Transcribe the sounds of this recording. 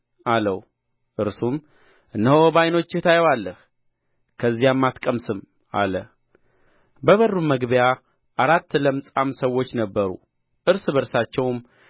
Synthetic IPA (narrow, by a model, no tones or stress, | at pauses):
ʔaləw | ʔɨɾsum | ɨnːəhobajno̞t͡ʃːɪt̪ʰajɛwalːəh | kʰəzːijamːat̪kʼəmsɨm | a̰lə | bəβərːummːəɡβəja | ʔaɾat̪ːləmsʼamsəwːo̞t͡ʃːnəbːəɾṵ | ʔɨɾsbəɾsat͡ʃːɛwm